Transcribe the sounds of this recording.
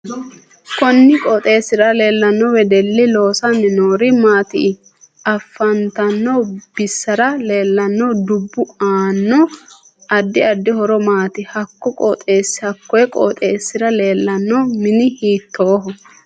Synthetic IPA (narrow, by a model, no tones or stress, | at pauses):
kɔnːɪkʼɔt̪ʼe̞ːsːɪɾɐle̞ːlːɐnːɔwɛd̪ɛlːɪlo̞ːsɐnɪnoːɾɪmaːt̪ɪ | ɐfːɐnt̪ɐnːɔb̥ɪsːɐɾɐle̞ːlːɐnːɔd̪ʊbːʊaːnːɔ | ʔɐd̪ːɪɐd̪ːɪhɔɾɔmaːt̪ɪhɐkːɔkʼɔ̰t̪ʼe̞ːsːɪ̥hɐkːɔjɛkʼɔ̰t̪ʼe̞ːsːɪɾɐle̞ːlːɐnːɔmɪnɪhiːt̪ːoːɦɔ